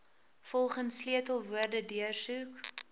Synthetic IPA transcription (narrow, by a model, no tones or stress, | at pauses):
fɔlˠχənsːliətəlˠvuərdədiərsuk